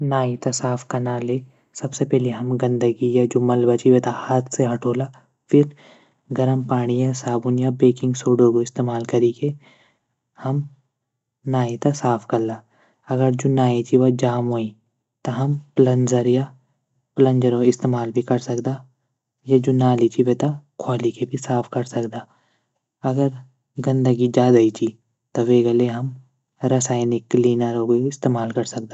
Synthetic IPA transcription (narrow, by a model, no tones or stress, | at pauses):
naːit̪asaːfkɐɾnaleː | sɐbsepɛɦleɦɐmɡɐ̃nd̪əɡijad͡ʒʊmɐlbɐt͡ʃiʋet̪ahaːt̪ʰseɦɐʈʰoːlaː | fʰɪɾ | ɡɐɾəmpaːɽ̃iɛ̃saːbʊnjabeːkɪ̃ŋɡsoːɖoɡoɪst̪eːmaːlkɐɾike | hɐm | naːit̪asaːpʰkɐɾlaː | ɐɡəɾd͡ʒonaːid͡ʒiʋad͡ʒaːmɦoːĩ | t̪ɐɦɐmplɐ̃nd͡ʒəɾja | plə̃nd͡ʒəɾoɪst̪eːmaːlbʱikɐɾsɐkd̪aː | jad͡ʒʊnaːlit͡ʃiʋet̪akʰwaːlikebʱisaːpʰkɐɾsɐkd̪aː | ɐɡəɾ | ɡɐ̃nd̪əɡid͡ʒaːd̪ait͡ʃi | t̪ɐʋeɡəleɦɐm | ɾɐsaːɪnɪkːliːnəɾoːɡeɪst̪eːmaːlkɐɾsɐk̚d̪aː